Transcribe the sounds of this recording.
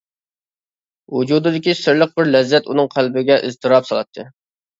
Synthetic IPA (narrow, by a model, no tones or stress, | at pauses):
wud͡ʒud̪ɨd̪ɪkʲisɪɾləq̚bɪɾlɛzːɛt̪unɨŋqʰælbɪɡʲɛʔɪz̥t̪ʰɨɾɑpsɑlˠɑt̪ʰːɨ